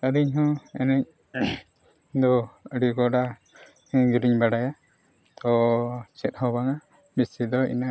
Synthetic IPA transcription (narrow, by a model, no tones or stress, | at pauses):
əɾiɲɦɔ̃ɛ̰nɛɲ | d̪ɔəɖikɔɖa | ɡiɾiɲbaɽaja | t̪ɔt͡ʃɛt̪̚hɔbaŋa | bisid̪ɔḭna